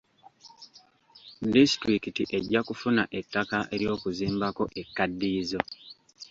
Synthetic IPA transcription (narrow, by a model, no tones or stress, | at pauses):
distɾikitiʔe̞ɟːakufunaʔe̞tːakaʔe̞̰ɾjo̞ːkuziːmbako̞ʔe̞kːadːiːzo̞